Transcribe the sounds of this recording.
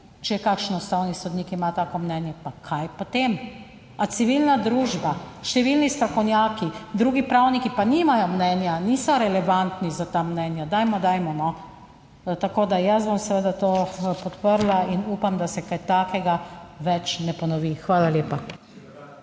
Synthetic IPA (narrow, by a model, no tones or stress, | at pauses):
t͡ʃɛjɛkaːkʃnɔst̪awnisɔd̪nikimat̪aːkɔmnɛnjɛpakʰajpɔt̪em | at̪siʋilnad̪ɾuːʒbaʃt̪ɛʋilnist̪ɾakɔwnjaːkid̪ɾuːɡipɾawnikipanimajɔmnɛnjaniːsɔɾɛlɛʋant̪nizat̪amnɛnjad̪ajmɔd̪ajmɔnɔ | t̪akoːd̪ajas̬bomsɛʋed̪at̪oːpɔt̪pəɾlainuːpamd̪asɛkajt̪aːkɛɡaʋɛt͡ʃnɛpɔnɔʋixʋaːlaljeːpa